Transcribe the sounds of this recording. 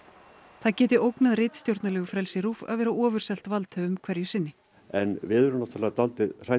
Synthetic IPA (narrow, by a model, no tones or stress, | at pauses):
θaðcɛːt̪ɪowknaðrɪjt̪st̪jowɾt̪nalɛːɣʏfɾɛlsɪɾuːfa̰ðvɛːɾaʔɔːvʏɾ̥sɛl̥t̪valt̪ʰœːʏmkʰvɛɾjʏsɪnːɪ | ɛnvɪðʏɾʏnat̪ʰaːlːɛːat̪alt̪ɪr̥a